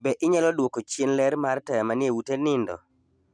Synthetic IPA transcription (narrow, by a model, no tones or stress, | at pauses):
bɛʔɪɲɛlɔdwokot͡ʃjenlɛɾmartɛjamanɪjewutenɪndɔ̰